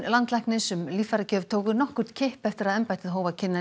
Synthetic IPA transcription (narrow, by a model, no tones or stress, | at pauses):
lant̪lɛhknɪsʏmlifaɾacœːvt̪ʰoːwɣʏnɔhkʏɾt̪cʰɪhpɛft̪ɪɾaðɛmpajt̪ɪðɦoːwvacʰɪnːa